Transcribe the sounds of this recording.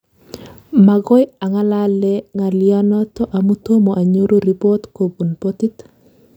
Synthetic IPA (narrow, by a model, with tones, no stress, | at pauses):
ma˨ɡɔ˦ja˨ŋa˦la˦lɛŋa˨lɪɔ˦nɔ˦tɔ˦ʔa˨mu˦t̪o˦mo˨ʔa˨ɲo˦ɾo˦ɾi˨po˦t̪ko˨bu˨npo˦ti˦t̪